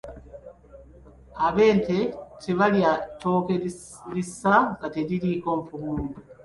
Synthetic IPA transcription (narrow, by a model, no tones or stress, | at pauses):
aβe̞ːntetʰeβaljato̞ːke | lisaŋɡateɾiɾiːkoːɱfumuːmbu